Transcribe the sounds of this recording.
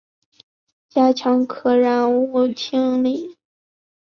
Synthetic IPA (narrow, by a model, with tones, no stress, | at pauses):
t͡ɕja˥t͡ɕʰjɑ˧˥ŋkʰɤ˨˩ɻa˧˥nu˥˩t͡ɕʰi˥ŋli˥˩